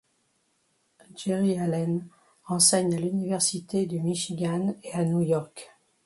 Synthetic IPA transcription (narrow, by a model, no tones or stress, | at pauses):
d͡ʒeʁialɛn | ɑ̃sɛɲalynivɛʁsit̪ed̪əmiʃiɡʲaneanujɔʁk